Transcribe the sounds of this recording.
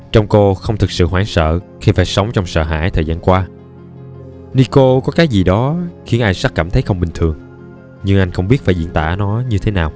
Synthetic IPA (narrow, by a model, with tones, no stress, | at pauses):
t͡ɕɔ˧wŋ͡mko˧xə˧wŋ͡mt̪ʰɨ˨˩k̚sɨ̰˧˨ɦwaː˧˩nsə̰ː˧˨ | xi˧faː˧˩jsə˨˦wŋ͡mt͡ɕɔ˧wŋ͡msə̰ː˧˨ɦa̰ː˧˥˨jt̪ʰəː˨˩zaː˧nkwaː˧ | ni˧ko˧kɔ˨˦kaː˨˦jzi˨˩ɗɔ˨˦xi˨˦ənʔaː˧jsa˦˥k̚kːaː˧˩mt̪ʰə˨˦jxə˧wŋ͡mɓï˨˩ŋ̟t̪ʰɨ˨˩əŋ | ɲɨ˧ŋʔa˧jŋ̟xə˧wŋ͡mɓi˦˥ət̚faː˧˩jzḭ˧˨ənt̪a̰ː˧˩nɔ˨˦ɲɨ˧t̪ʰe˨˦naː˨˩w